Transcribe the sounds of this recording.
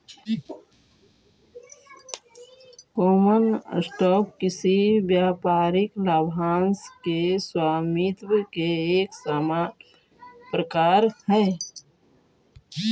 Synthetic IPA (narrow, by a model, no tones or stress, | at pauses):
kɔːmənə̰sʈɔːp̚kɪsibjaːpaːɾɪklaːbʱaːnskeswaːmit̪wkeeːksaːma | pɾəkaːɾhɛː